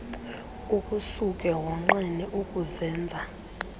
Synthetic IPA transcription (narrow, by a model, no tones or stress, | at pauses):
ukʼusukʼɛwɔŋ͡ǃiniʔukʼuzɛːnd͡zʱa